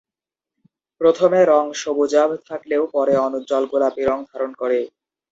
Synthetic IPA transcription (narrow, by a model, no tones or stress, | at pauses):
pɾot̪ʰomeɾɔŋʃobud͡ʑabt̪ʰakleopɔɾeɔnud͡ʑɔlɡulapiɾɔŋd̪ʱaɾonkoɾe